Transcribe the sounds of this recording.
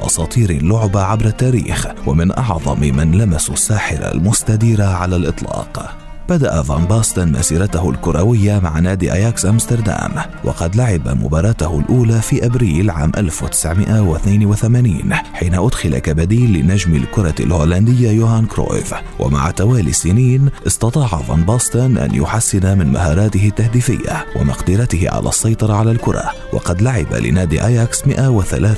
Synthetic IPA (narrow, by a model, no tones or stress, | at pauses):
ʔɑ̰sˤɑːt̪ˤiːɾɪlːʊʕʊbaʕabɾˤat̪ːaːɾḭːxwa̰mɪnʔɑʕðˤɑ̰mmanlamassːaːħɪɾa̰lmʊst̪ad̪iːɾaʕalalʔɨt̪ˤlɑ̰ːq | b̥ad̪aʔavɑːnbɑːst̪nma̰siːɾˤɑt̪ahʊlkʊɾˤɑwɪjːamaʕanaːd̪ḭʔajaːksʔamst̪ɑɾˤd̪a̰ːm | wɑ̰qɑd̪laʕɪba̰mʊ̰bɑːɾˤɑːt̪ʊhʊlʔuːlaːfiːʔabɾiːlʕa̰ːmʔalfwat̪ɪ̥sʕmɪʔawɪθnaːnwɪθamaːniːnħiːnaʔʊd̪xɪla̰kabad̪iːlːɪnad͡ʒmɪ̰lkʊɾˤɑlhoːland̪ɪjːajuːhaːnkɾo̰ːjv | wʔa̰ma̰ʕt̪awaːlḭːsːɪniːnʔɨst̪ɑt̪ˤɑːʕava̰nbɑst̪ʊnʔa̰njʊħasːɪnamɪnma̰ɦɑːɾˤɑːt̪ɪhɪt̪ːahd̪iːfɪjːa̰wa̰mɑ̰qd̪ɪɾɑt̪ɪhɪ̰ʕa̰lʔa̰ːsˤːɑjt̪ˤɑɾˤɑʕalalkʊɾˤɑ̰wɑ̰qɑd̪laʕɪba̰lɪ̰naːd̪ḭʔajaksmɪʔawɪθa̰laːθ